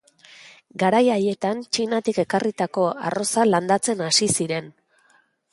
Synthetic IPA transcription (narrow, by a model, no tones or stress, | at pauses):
ɡaɾajaje̞t̪ant͡ʃinat̪ike̞karit̪ako̞a̰ro̞saland̪at͡se̞nasisiɾe̞n